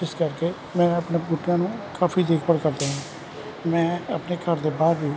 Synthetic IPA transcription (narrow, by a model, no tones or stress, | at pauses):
ɪskəɾkeː | mɛ̃ːəpnebʊʈːɪjãːnũːkaːpʰiːd̪eːkʰpəɽkəɾd̪aːɦãː | mɛ̃ːəpneːkəɾd̪eːbaːɾbiː